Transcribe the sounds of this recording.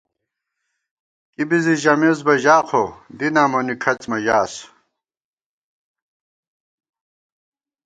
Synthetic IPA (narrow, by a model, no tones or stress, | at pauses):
kibiziʑɐmezbɐʑaːqʰod̪inaːmonikʰɐt͡smɐʑaːs